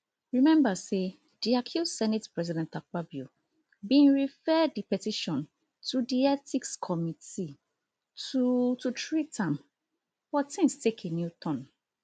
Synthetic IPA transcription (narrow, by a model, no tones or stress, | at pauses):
ɹimɛ̃mbase | d̥iakʰusɛnɛtpɹɛzidɛ̃ntʰak̚abju | bĩnɹifɛdipɛtiʃɔ̃n | tʰudiɛtikskʰɔmiti | tututʰɹitʰãm | fɔtĩnstʰekʰenjutʰɔ̃n